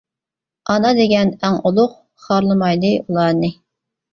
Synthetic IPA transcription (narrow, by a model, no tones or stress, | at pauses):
ɑnɑd̪eɡʲɛnæŋulˠʊq̚ | χɑɾlˠɨmɑjd̪ɨʔulˠɑːnɨ